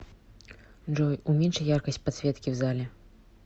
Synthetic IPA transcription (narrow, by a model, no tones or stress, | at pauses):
ʐɔjumʲɛnʂɐjarkɐsʲt͡sʲpat̪sʲvʲɛt̪kʲiwzalʲɛ